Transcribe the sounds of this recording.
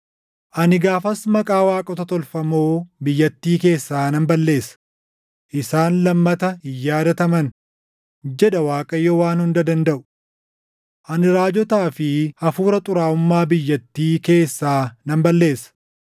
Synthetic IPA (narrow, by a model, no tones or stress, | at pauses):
ʔɐnɪɡaːfɐsmɐkʼaːwaːkʼɔt̪ɐt̪ɔlfɐmoːbɪjːɐt̪ːiːke̞ːsːaːnɐmbɐlːe̞ːsɐ̥ | ʔɪsaːnlɐmːɐt̪ɐjːaːd̪ɐt̪ɐmɐn | d͡ʒɛᶑɐwaːkʼɐjːɔwaːnhʊnd̪ɐd̪ɐnd̪ɐʔʊ̥ | ʔɐnɪɾaːd͡ʒɔt̪aːfɪɐfuːɾɐt̪ʼʊɾaːʊmːaːbɪjːɐt̪ːiːke̞ːsːaːnɐmbɐlːe̞ːsɐ̥